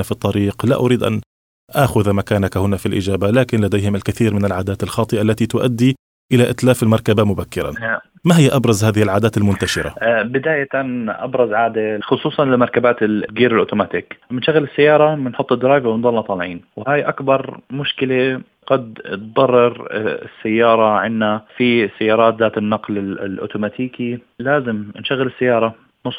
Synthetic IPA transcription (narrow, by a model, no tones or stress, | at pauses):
afit̪ˤːɑɾiːqla̰ʔʊɾiːd̪ʔa̰n | ʔaːxʊðmakaːnakahʊnafilʔɪd͡ʒaːbalaːkɪnlad̪ejhɪmɪlkaθiːɾmɪnɪlʕaːd̪aːt̪ɪlxɑːt̪ˤɨʔalːat̪it̪ʊʔad̪ːi | ʔɪlaʔɪt̪laːfɪlmɑɾˤkabamʊbakːɪɾˤa̰na | maɦɪjːaʔɑbɾˤɑzhaːðɪhɪlʕaːd̪aːt̪almʊnt̪aʃɪɾa̰bɪd̪aːjat̪anʔɑ̰bɾˤɑzʕaːd̪exʊsˤuːsˤɑnlɪmɑɾˤkabaːt̪ɪɡiːɾɪlʔoːt̪umaːt̪iːkmɪnʃaɣːɪlɪsːajːɑːɾˤɑmɪnħʊt̪ˤːɪd̪ːɑɾˤɑːɡawɪnðˤɑːlːɑt̪ˤɑːlʕiːnwhaːjʔakbɑɾˤmʊʃkɪle | ɡ̥ɑd̪t̪d̪ˤɑrˤːɪɾɪ̰sːajːɑːɾˤɑʕɪnːafisːajːɑːɾˤɑːt̪ðaːt̪ɪnːaɑqlɪɪlʔo̰ːt̪umaːt̪ʰiːkilaːzɪmɪnʃaɣɪlɪsːajːɑːɾˤɑ | nʊsˤ